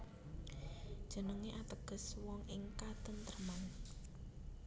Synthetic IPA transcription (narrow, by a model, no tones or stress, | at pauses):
d̥ʒ̥ə̤nəŋeʔat̪əɡ̥ə̤swɔŋʔɪŋkad̪̥ənt̪ərəman